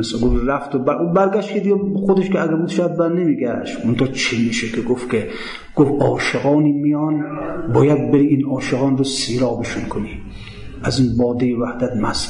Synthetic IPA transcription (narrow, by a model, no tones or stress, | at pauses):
eseɡofɾæft̪obæɾbæɾɡæʃtkʰed̪iɡexod̪eʃkeæɡæɾbuːd̪ʃjad̪̚bæɾnemiːɡæʃt̪mont̪ʰɑht͡ʃʰimiːʃekʰeɡofkʲʰe | ɡ̥ofɒːʃeɣɒːniːmijɒnbɒːjæd̪̚beɾiːinɒːʃeɣɑːnɾosiːɾɒːbeʃunkʰoni | æziːnbɒːd̪ejevæhd̪æt̪mæs